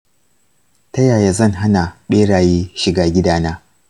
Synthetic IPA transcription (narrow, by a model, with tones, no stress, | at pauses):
tɐ˦jaː˨jaː˦zɐ˦˨ŋɦa˦na˨ɓeː˦ɽaː˨jeː˦ʃɪ˨ɡaː˦ɡʲɪ˦daː˦naː˦